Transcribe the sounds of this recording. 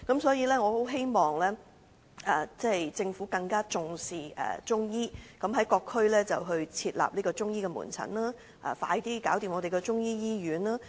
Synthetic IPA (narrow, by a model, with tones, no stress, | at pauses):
kɐ˨˥msɔː˨˥jiː˨˧lɛː˥ŋɔː˨˧ho˨˥wɦe˥jmɔː˨ŋlɛː˥ | ʔɛː˨t͡sɛː˥˨jt͡sɪ˧ŋfu˨˥kɐ˧ŋkaː˥t͡sʊ˨ŋsiː˨˩ɛ̰ː˨t͡sʊ˥ŋjiː˥kɐ˨˥mɦɐ˨˥jkɔː˧kʰːɵ˥ɥlɛː˥t͡sɐ˨˩wɦɵ˧ɥt͡sʰiː˧t̚la̰ː˨p̚liː˥kɔː˧t͡sʊ˥ŋjiː˥kɛ˧mṵː˨˩nt͡sʰɐ̰˨˩nlaː˥ | ʔa̰ː˨˧˩fa̰ː˧jt̪iː˥kaː˨˥wt̪i˨mŋɔː˨˧te˨jkɛ˧t͡sʊ˥ŋjiː˥jiː˥jyː˨˥nlaː˥